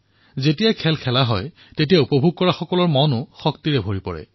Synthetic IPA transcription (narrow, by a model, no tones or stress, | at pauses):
zetijakʰɛlkʰɛlaɦɔj | tet̬ijaupɔbʱuɡ̚kɔɹaxɔkɔlɔɹmɔnʊxɔktiɹɛbʱoɹipɔ̰ɹɛ̰